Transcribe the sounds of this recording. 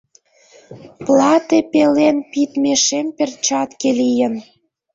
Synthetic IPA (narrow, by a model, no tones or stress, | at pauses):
plˠɑt̪epelenpit̪meʃempert͡ɕɑt̪kelijən